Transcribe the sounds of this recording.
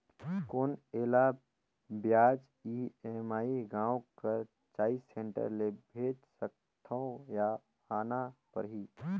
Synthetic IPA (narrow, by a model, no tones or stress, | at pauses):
koːneːla | bjaːd͡ʒ | iemaːiɡãːwkəɾ | t͡ʃaːisẽɳʈə̰ɾlebʱeːt͡ʃsək̚ | t̪ʰə̃ja | aːnapə̰ɾɦi